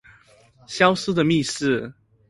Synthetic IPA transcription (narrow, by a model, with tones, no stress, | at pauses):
ɕjɑ˦ʊsɹ̩˦˥d̪ə˨mi˥˧sɹ̩˥˨